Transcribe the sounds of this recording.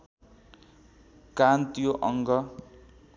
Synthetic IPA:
kant̪joʔʌŋɡʌ

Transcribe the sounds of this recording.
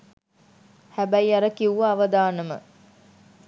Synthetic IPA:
hæbæjɐɾəkiuʋaːʋɐd̪aːnəmə̰

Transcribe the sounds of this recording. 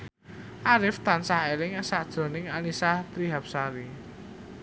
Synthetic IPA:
ʔaɾɪft̪ansahelɪŋsad̥ʒ̥ɔ̤nɪŋanisaht̪ɾiɦap̚saɾi

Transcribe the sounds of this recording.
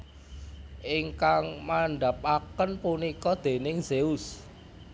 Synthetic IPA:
ʔɪŋkaŋmaɳɖap̚akənpunikɔd̪̥e̤nɪŋzeʊs

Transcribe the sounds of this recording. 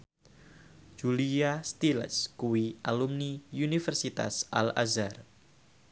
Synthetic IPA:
d͡ʒuliast̪ilə̰skuwiʔalumniunifɛrsit̪a̰sʔa̰la̰zar

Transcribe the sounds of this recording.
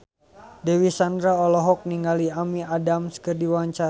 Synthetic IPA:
dɛwisandɾaɔlɔɦɔk̚niŋɡaliamiadamsə̥kərdiwaɲt͡ʃa

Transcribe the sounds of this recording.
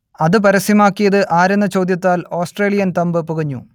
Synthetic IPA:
ɐðɨp̬ɐɾɐsimaːkːijɐðɨʔaːɾɐnːɐt͡ɕo̞ːd̪jɐt̪ːaːloːsʈreːlijɐnt̪ɐmbɨpuɣɐɲːṵ

